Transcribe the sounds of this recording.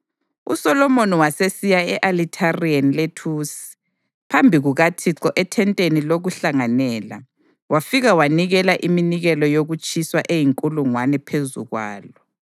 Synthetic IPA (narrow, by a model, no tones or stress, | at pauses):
ṵsɔlɔmoniwasesijaɛʔalitʰarianletʰuːsi̥ | pʰambʱiɣuɣatʰiǁɔʔɛtʰɛntʼeniloɣuɬaŋanɛːla̰ | wafiɣawaniɣɛlaʔiminiɣɛlɔjoɣut͡ʃʼiswaʔejiŋkʼuluŋwanɛpʰezṵɣwa̰ːlɔ